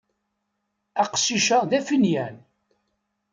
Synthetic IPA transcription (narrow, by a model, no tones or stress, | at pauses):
æqʃiʃæðæfinjæn